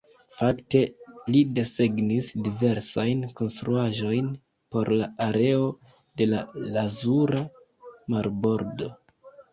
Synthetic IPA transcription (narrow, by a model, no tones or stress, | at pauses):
fakte̞lide̞se̞ɡnisdive̞ɾsajnko̞nstɾuaʒo̞jn | po̞ɾlaaɾe̞o̞ | de̞lalazuɾa | maɾbo̞ɾdo̞